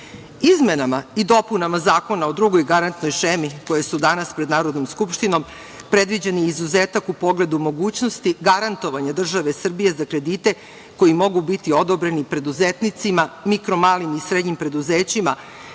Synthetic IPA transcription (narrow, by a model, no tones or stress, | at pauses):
izmenamaid̪o̞punamazaːko̞naod̪ɾuɡo̞jɡaɾant̪no̞jʃemiko̞je̞sud̪anaspɾed̪naːɾo̞d̪nomskupʃt̪ino̞m | pɾe̞d̪ʋid͡ʑeniizuzeːt̪akupo̞ɡle̞d̪umo̞ɡuːt͡ɕno̞st̪iɡaɾant̪o̞ʋaɲad̪r̩ʒaʋe̞sr̩bije̞zakɾe̞d̪it̪e̞ | ko̞jimo̞ɡubit̪io̞d̪o̞bɾe̞nipɾe̞d̪uzet̪nit̪simamikɾo̞maːlimisɾed̪ɲimpɾe̞d̪uzeːt͡ɕima